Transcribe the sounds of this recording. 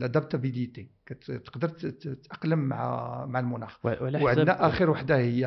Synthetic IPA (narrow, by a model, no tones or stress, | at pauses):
lʔæd̪æb̚t̪ɑbid̪it̪ikæt̪t̪ə̥qd̪əɾˤt̪ʔɑqləm̰ːʕ̰maʕəlmʊnæxʕənæʔæxəɾwaħd̪ahəjːæ